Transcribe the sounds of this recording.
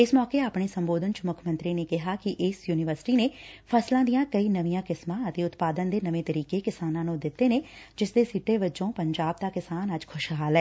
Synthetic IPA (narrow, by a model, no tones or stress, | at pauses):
ɪsmɔːkeːaːpɽ̃eːsəmboːd̪ənt͡ʃmʊkʰmə̃nt̪ɾiːneːkɪɦaːkɪʔɪsjuːnɪʋəɾsʈiːneːpʰəslãːd̪ijãːkəiːnəʋijãːkɪsmãːət̪eːʊt̪paːd̪ənd̪eːnəʋẽːt̪əɾiːkeːkɪsaːnãːnũːd̪ɪt̪ːeːneːd͡ʒɪsd̪eːsiːʈeːʋəd͡ʒõːpəɲd͡ʒaːb̚t̪aːkɪsaːnəd͡ʒkʰʊʃɦaːlɛː